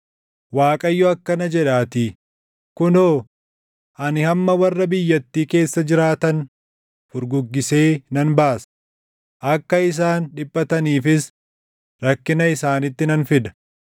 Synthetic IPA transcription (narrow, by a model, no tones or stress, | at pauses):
waːkʼɐjːɔɐkːɐnɐd͡ʒɛᶑaːt̪ɪ | kʊnoː | ʔɐnɪhɐmːɐwɐrːɐbɪjːɐt̪ːiːke̞ːsːɐd͡ʒɪɾaːt̪ɐn | fʊɾɡʊɡːɪse̞ːnɐnbaːs | ʔɐkːɐɪs̬aːnᶑɪbːɐt̪ɐniːfɪs | ɾɐkːɪnɐɪsaːnɪt̪ːɪnɐnfɪd̪ɐ̥